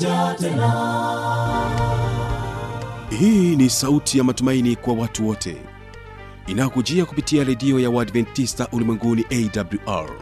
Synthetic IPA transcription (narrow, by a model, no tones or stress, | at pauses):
hiːnisautʰijamatumainikwawatuwɔtʰɛ̰ | inajɔkud͡ʒiakupitiaɾɛdiɔjawadvɛntːistaʔulimwɛŋɡuniʔɛidabljuʔa̰ɹ